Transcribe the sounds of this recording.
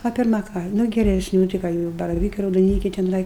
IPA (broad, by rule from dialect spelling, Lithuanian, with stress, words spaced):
ɐ pʲɪrˈmɐ ˈkɑː ˈnʊ ɡʲɛrʲɛsʲˈnʲuː tɐɪ ˈkɑː ɡʲɪ jɛʊ bɐrɐˈʋʲiːkɐɪ rɐʊdoːˈnʲiːkʲɛɪ tʲɛˈnɐɪ